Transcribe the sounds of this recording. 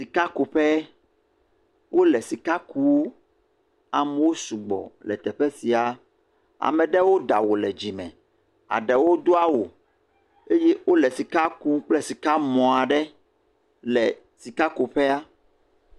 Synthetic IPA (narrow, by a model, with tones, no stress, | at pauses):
si˨ka˦ko˨ɸɛ˦ | wo˦lɛ˨si˨ka˦ku˦wo˦ | a˨mɛ˦wo˦su˨ɡ͡bɔ̰˨lɛ̰˨t̪ɛ˨ɸɛ˦si˨a˨ | a̰˨mɛ̃˨ɖɛ˦wo˦d̪a̰˨wo˨lɛ˨d͡ʑi˨mɛ̰̃˨ | a̰˨ɖɛ˨wo˦d̪o˦a˦wo˨ | e˦jɛ˦wo˦lɛ˨si˨ka˦ku˦k͡plɛ˦si˨ka˦mɔ̃˨a˨ɖɛ˦ | lɛ˨ | si˨ka˦ko˨ɸɛ˦a˦